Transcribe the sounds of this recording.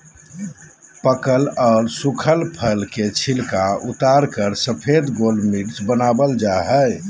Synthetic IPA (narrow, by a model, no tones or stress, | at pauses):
pəkəlɔːɾsukʰəlpʰəlket͡ʃʰilkaut̪aɾkəɾsəpʰed̪ɡolmiʈsbənabəld͡ʒaɦəj